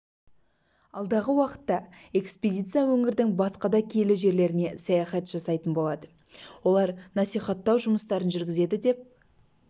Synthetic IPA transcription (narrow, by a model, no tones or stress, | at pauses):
ɑlˠd̪ɑʁəwɑqə̥t̪ːɑe̞kspedʲijt̪sijawɵŋɪɾd̪ɪŋbɑsqɑd̪ɑkʲʰe̞lɪʒe̞ɾle̞ɾɪne̞sɑjɑχɑt̪ʒ̥ɑsɑjt̪ənbo̞lˠɑd̪ə | wo̞lˠɑɾnɑsijχɑt̪ːɑwʒʊməst̪ɑɾənʒʏɾɡʲɪze̞d̪ɪd̪e̞p̚